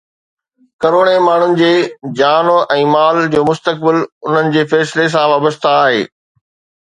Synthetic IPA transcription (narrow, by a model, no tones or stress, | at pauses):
kɐɾoːɽemaːɳ̤ʊnɪ̆d͡ʑeːd͡ʑaːnoʔɛ̃ːmaːld͡ʑoːmʊst̪ək̚bɪlʊn̤ənɪ̆d͡ʑeːfɛːsɪles̬ãʋaːbəst̪aːɦeː